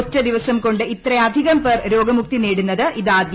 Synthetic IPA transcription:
tːɐd̪iʋɐsɐmko̞ɳɖɨit̪rɐjɐd̪ʱiɣɐmpɐrɾo̞ːɡɐmuk̚t̪ineːɽunːɐðɨʔiðaːd̪j

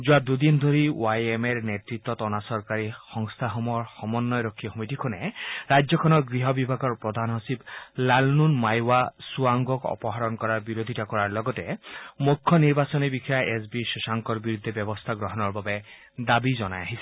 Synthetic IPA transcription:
d͡ʒuad̪ud̪ind̪ʱoɾiwajemeɾnetɾit̪ːɔt̪ɔnasɔɾkaɾixɔŋst̪ʰaɦɔmɔɹxɔmɔnːɔjɾɔkʰːixomitikʰuneɾajd͡ʒjɔkʰɔnɔɾɡɾiɦɔbibʱaɡɔɾpɹɔd̪ʱanɦɔsiblalnunmajwasuaŋɡɔkɔ̰pɔɦaɾɔnkɔɾaɾbiɾod̪ʱitakɔɾaɾlɔɡɔtemukʰːɔniɾbasɔnibikʰajaʔesbisuʃaŋkɔɾbiɾud̪ʱːebjɔbɔst̪ʰaɡɾɔɦɔnɔɾbabe | d̪abizɔnajaɦisʰi̥

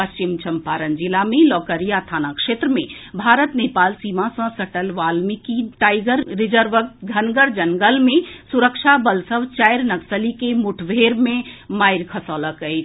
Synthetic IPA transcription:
pəst͡ʃimt͡ʃʰəmpaɾənd͡ʒilamẽlɔkəɾijat̪ʰanakʂet̪ɾəmẽbʱaɾət̪nepaːlsimasə̃səʈəlʋalmikiʈaɪɡəɾːid͡ʒəɾʋəkɡʱənɡəɾd͡ʒəŋɡəlmẽsuɾəkt͡ʃʰabəlsəʋt͡ʃajɾnəksəlikemuʈʰʋʱeɾmẽmaɪɾkʰəsɔləkəjt͡ʃʰ

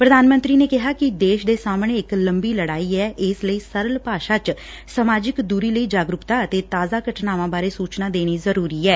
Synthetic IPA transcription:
pɾəd̪aːnmə̃nt̪ɾiːneːkɪɦaːkɪd̪eːʃd̪eːsaːmɳeːɪkləmbiːləɽaːiːɛːʔɪsləiːsəɾəlpaːʃaːt͡ʃ | səmaːd͡ʒɪkd̪uːɾiːləiːd͡ʒaːɡɾʊkt̪aːət̪eːt̪aːzaːɡəʈʰnaːʋãːbaːɾeːsuːt͡ʃnaːd̪eːñiːzəɾuːɾiːɛː

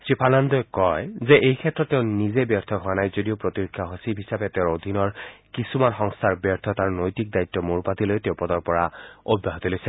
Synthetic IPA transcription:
sɹipʰanand̪ɔjkɔjzɛʔejkʰɛtːɹɔtːeʊ̃nizebjɛɹt̪ʰɔɦʊanajzodiopɹotiɹikʰːaɦosipɦisabɛtɛʊɹod̪ʱinɔɹkisumanxɔŋst̪ʰaɹbjɛɹt̪ʰɔtaɹnojtik̚dajt̪ːɔmuɹpat̪ilojtɛʊpɔdɔɹpɔɹaobːaɦot̪ilojsɛ

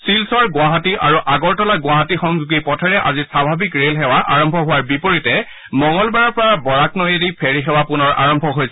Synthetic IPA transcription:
silsɔɹɡʊaɦatiʔaɹuʔaɡɔɹtɔlaɡʊwaɦatixɔŋzuɡipɔtʰɔɹɛʔa̰zisabʱabikɹelxɛwaʔaɹɔmbʱɔɦʊwaɹbipoɹitɛ | mɔŋɔlbaɹɔɹpɔɹabɔɹaknɔjeɹipʰeɹixɛwapʊnɔɹa̰ɹɔmbʱɔɦojsɛ

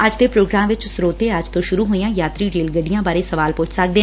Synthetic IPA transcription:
əd͡ʒd̪eːpɾoːɡɾãːmʋɪt͡ʃsɾoːt̪eːəd͡ʒt̪õːʃʊɾuːɦoːijãːjaːt̪ɾiːɾeːlɡəɖijãːbaːɾeːsəʋaːlpʊt͡ʃʰsək̚d̪eː

